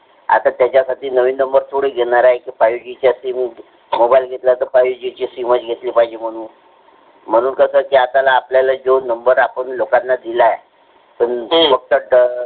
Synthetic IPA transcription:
a̰t̪at̪jat͡ɕjasaʈʰiːnəʋiːnəmbəɾt̪ʰoɽiɡʱeɽ̃aɾajekiːfajud͡ʑit͡ɕasimi | mobajlɡʱet̪lat̪əɾfajud͡ʑit͡ɕisimət͡sɡʱet̪liːpaɦid͡ʑem̤əɽ̃uːn | m̤əɽ̃uːnkəsəkiːat̪alaːpljalad͡ʑonəmbəɾapəɳlokanːad̪ilae | pəɳfək̚t̪əɖ

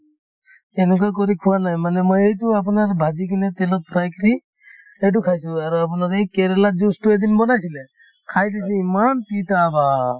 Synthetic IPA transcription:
ɛnɛk̬ɔjkɔɾikʰuwanajmanɛmɔjejtuap̬unaɾbʱad͡ʒikʰinɛt̪ɛlɔk̚pɾajkɾi | ejt̬ukʰajsuaɾuap̬unaɾejkɛɾɛlad͡ʒustued̪inbɔnajsilɛ | kʰajdisiimanpitaba

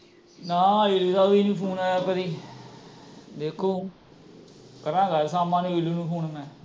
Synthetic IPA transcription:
nãːeluːt̪aːʋiːnĩːpʰuːnaaːpəɾiː | d̪eːkʰːoː | kəɾãːɡəlsaːmãːnũːɪluːnũːpʰuːnmɛ̃ː

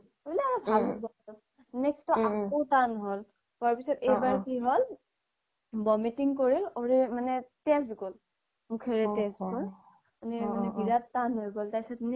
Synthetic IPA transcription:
bliaɔbʱalbɔ | ɔ | nɛkstɔakkowtanɦol | pɔaɹpisɔtejbaɹkiɦɔl | bɔmitiŋkoɹiloɹimanɛtɛsɡol | mukʰeɹɛtɛsɡol | animanɛbiɹatːanɦojɡoltasatn

